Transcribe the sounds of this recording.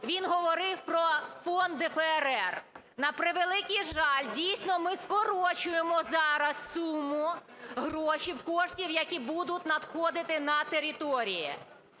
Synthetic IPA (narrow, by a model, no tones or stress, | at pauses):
ʋʲinɦɔʋɔɾɪwpɾɔfɔnd̪ɪfɛɛɾɛr | nɐpɾɪʋelˠɪkʲijʒɑlʲdʲijsʲnɔmɪskɔɾɔt͡ʃʊjemɔzɑɾɐssumʊɦɾɔʃiwkɔʃtʲiwjɐkʲibud̪ʊt̚ʲnɐd̪xɔd̪ɪt̪ɪnɐt̪eɾʲit̪ɔɾʲijḭ